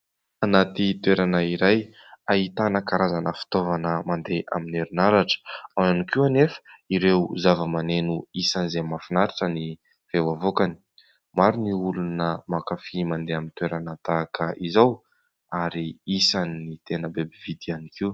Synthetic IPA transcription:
anat̪it̪weɾanəiɾaj | ait̪anəkaɾazanəfi̥t̪ovanəmand̪eʔa̰mineɾunaɾaʈ͡ʂə̥ananikianefə̥iɾewzavəmanenuisanizemafinaɾiʈ͡ʂəni | v̥ewavokani̥ | maɾiniulunəmakafimand̪eamint̪weɾanat̪akəʔizaw | aɾiisaniːit̪enəbebivid̪ianikiu

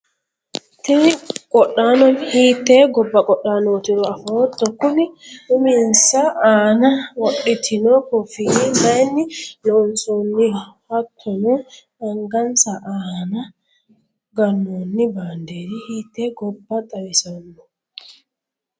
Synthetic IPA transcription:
tɛkʼɔɗːanɔnhitɛɡɔbːakɔɗːanotinɔafɔtːɔkːuniuminsaʔanawoɗːitʰinɔkɔfiimanilɔnsonːihatʰːɔnɔ | ʔaŋɡansaʔana | ɡanːonːibandeɾihitɛɡɔbːatʼawisanːɔ

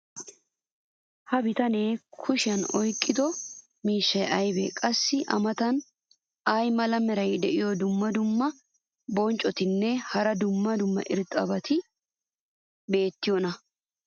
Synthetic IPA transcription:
hɐbɪt̪ɐneːkʰʊʃɪɐnɔjkʼːɪd̪ɔ | miːʃːɐjʔɐjbɛ̰kʼɐsːɪʔɐ̰mɐt̪ɐn | ɐjmɐlɐmɛɾɐjd̪ɛʔɪjɔd̪ʊmːɐd̪ʊmːɐ | bɔnt͡ʃʼɔt̪ɪnːɛhɐɾɐd̪ʊmːɐd̪ʊmːɐ̰ʔɪɾt̪ʼɐ̰bɐt̪ʰɪ | be̞ːt̪ːɪjonɐ

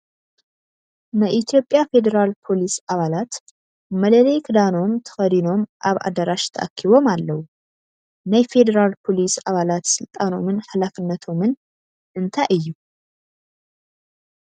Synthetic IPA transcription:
nəʔit̪ʰjo̞pʼjafe̞d̪əɾalpʰo̞lisaβalat̪ | mələlejkʰɨd̪ano̞mt̪ʰə̥fəd̪ino̞mʔaβa̰d̪əɾaʃt̪ʰə̰ʔə̰kʰːiβo̞malːəhu | nəjfe̞d̪əɾalpʰo̞lisaβalat̪sɨlt̪ʼano̞mɨnhalafɨnːət̪ʰomɨn | ʔɨnt̪ʰaʔɨjːu

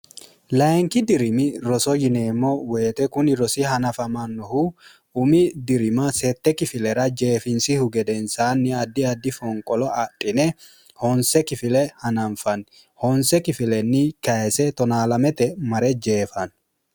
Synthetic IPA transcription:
lɐŋkɪd̪ɪɾɪmɪɾɔsɔjɪneːmːɔweːt̪ɛkʊnɪɾɔsɪɦɐnɐfɐmɐnːɔhu | ʊmɪd̪ɪɾɪmɐsɛt̪ːɛkɪfɪlɛɾɐd͡ʒeːfɪnsɪhʊɡɛd̪ɛnsaːnːɪɐd̪ːɪɐd̪ːɪfɔŋkʼɔlɔʔɐtʼːɪnɛ | hɔnsɛkɪfɪlɛhɐnɐnfɐn | hɔnsɛkɪfɪlɛnːɪkɐɛsɛt̪ɔnaːlɐmɛt̪ɛmɐɾɛd͡ʒeːfɐn

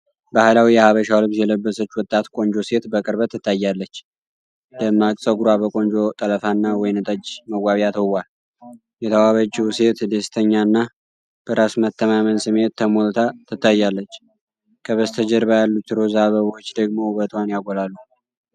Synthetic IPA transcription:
bahlawijɛhaβəʃawlɨβsjɛləbːəsət͡ʃːwɔt̪ʼːat̪kʼo̞nd͡ʒo̞se̞t̪bəkʼɨɾβət̪ʰːɨt̪ʰːajːalːət͡ʃː | d̪̥əmːakʼsʼəɡuɾabəkʼo̞nd͡ʒo̞t̪ʼələfanːawɔjnt̪ʼəd͡ʒməɡʷaβiat̪ʰəwal | jɛt̪ʰəwaβəd͡ʒwse̞t̪d̪est̪ʰəɲːaɨnːa | b̥əɾasmət̪ːəmamənsɨme̞t̪t̪ʰːəmolt̪ʰat̪ʰɨt̪ːajːalːət͡ʃː | kʰəβəst̪ʰəd͡ʒəɾbajalːut̪ːɨɾozaβəβot͡ʃːd̪əɡmo̞bət̪ʰwanjaɡolalːu

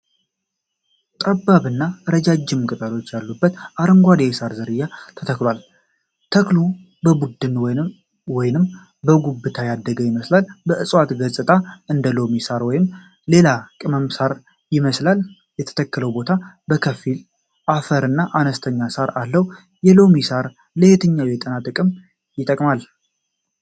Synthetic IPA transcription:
t̪ʼəbːaβɨnːaɾəd͡ʒad͡ʒːɪmːkʼɨt̪ʼalo̞t͡ʃːjalːubːət̪ʔaɾəŋɡʷad̪eesaɾzɨɾɨjːat̪ʰət̪ʰəklwal | t̪ʰəklu | bəbud̪ːɨnw | wɔjɪnɨm | bəɡubːɨt̪ʰajad̪ːəɡəjɪməslalbəʔɨsʼwat̪ɡəsʼɨt̪ʼaɨnd̪əlo̞misaɾwɔjɪm | le̞lakʼɨməmsaɾ | jɪməslal | jɛt̪ʰə̥t̪ʰəkːələwbo̞t̪ʰa | bəkʰəfil | ʔafəɾɨnːaʔanəst̪ʰəɲːasaɾalːəwu | jɛlo̞misaɾ | ləhet̪ʰɨɲːawjɛt̪ʼənat̪ʼɨkʼɨm | jɪt̪ʼəkʼmal

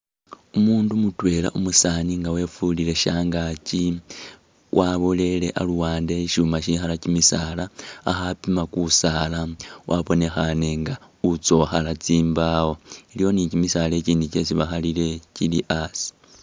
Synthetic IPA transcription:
umuːndumutwe̞la̰ʔumusaːniŋɡawe̞fuliɾe̞ʃaːŋɡaci | wʔaβole̞le̞ʔaluwaːnde̞iʃumaʃixalacimisaːlaːxapimakusaːlawʔaβo̞ne̞xane̞ŋɡa | ut͡so̞xalat͡siːmbawo̞ilijo̞nicimisaːle̞ciːndice̞siβaxalile̞cilḭʔasi̥

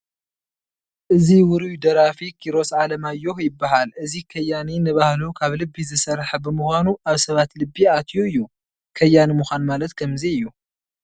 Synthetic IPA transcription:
ʔɨziwʊɾujd̪ɐɾafikʰiɾo̞sʕalɐmajːo̞hjɪbːaɦalʔɨzikʰɐjːaninɐβahlukʰaβlɨbːizɨsɐɾħɐbɨmuxʷanuaβsɐβat̪lɨbːiat̪ʰjuɨjːu | kʰɐjːanimuxʷanmalɐt̪kʰɐmziɨjːu

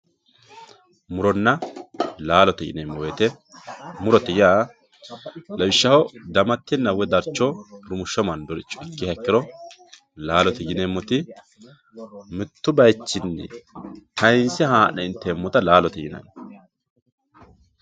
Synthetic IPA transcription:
mʊɾɔnːɐlaːlɔt̪ɛɡɪ̰nemːɔwet̪ɛ | mʊɾɔt̪ɛjjaː | lɐwɪʃːɐhɔd̪ɐmɐt̪ːɪnːɐwɛd̪ɐɾt͡ʃːɔɾʊmʊʃːɔmɐnd̪ɔɾɪt͡ʃːɔɛkːɪhɐkːɪɾɔ | laːlɔt̪ɪɡɪneːmːɔt̪ɪ | mɪt̪ːʊbɐjt͡ʃːɪnːɛ̰t̪ʰɐjnsɛhaːnɛɪnt̪ːɛːmːɔt̪ɐlaːlɔt̪ɛjɪ̰nɐ̰n

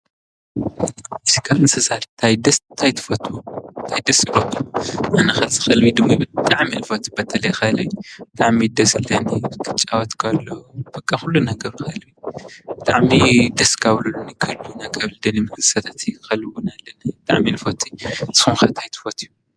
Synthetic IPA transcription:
ʔɨzikʰalɨnsɐsaɾt̪ʰajd̪ɐst̪ʰajt̪ʰɨ̥fɐt̪ʰwunt̪ʰajd̪ɐsiɾot̪ʰːuʔanɐxɐlzɨxɐlβid̪ɨmːabɨt̪ʼaʕmilfot̪ʰi̥bɐt̪ʰɐlɐjxɐlɐjubɨt̪ʼaʕmid̪ɐsɨlːɐniɨkʰɨt͡ʃʼːawot̪kʰalːob̥ɐkʼːaxulːunɐɡɐɾxɐlβib̥ɨt̪ʼaʕmid̪ɐskʰaβlulːunikʰɐlunakʰɐβld̪ɐnimɨkɨsɐt̪ʰat̪jxɐlɨwʊnalːɐnɐbɨt̪ʼa̰ʕmilfot̪ʰiz̥ɨ̥xunxɐt̪ʰajt̪ʰɨ̥fɐt̪ʰju

